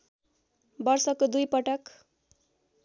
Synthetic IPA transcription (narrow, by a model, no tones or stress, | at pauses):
bʌrsʌkod̪ujpʌʈʌk